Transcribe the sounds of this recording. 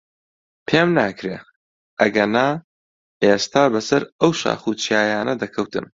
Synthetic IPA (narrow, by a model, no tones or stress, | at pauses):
pʰeːmnaːkʰɾeː | ʔɐɡɐnaː | ʔeːst̪aːbɐsɐɾɐwʃa̰ːχuːt͡ʃʰjaːjaːnɐd̪ɐkʰɐwt̪ɨ̰m